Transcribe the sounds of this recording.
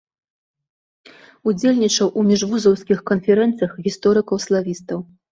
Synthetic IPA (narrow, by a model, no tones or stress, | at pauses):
ud͡zʲelʲnʲit͡ʂɐwʔumʲiʐvuzɐwskʲixkɐnfʲɛɾɛnt̪sɨjɐxɣʲist̪ɔɾɨkɐwslˠavʲist̪ɐw